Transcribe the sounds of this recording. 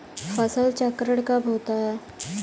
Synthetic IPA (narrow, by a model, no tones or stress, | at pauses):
fəsəlt͡ɕəkɾəɽkabʱot̪aɦɛ